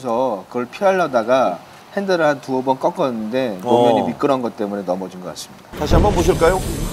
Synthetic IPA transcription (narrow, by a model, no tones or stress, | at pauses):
esʰʌkɯɡʌɭpʰiaɭːʌdaɡa | he̞ndɯɾantuʌbʌnk͈ʌk͈ʌnːɯnde̞jomjʌɲimik͈ɯɾʌnɡʌt͈e̞mune̞nʌmʌd͡ʑinɡʌk͈as͈ɯ̥mɲid̥atʰaɕ̬ʰiambʌnboɕ̬ʰiɭk͈ajo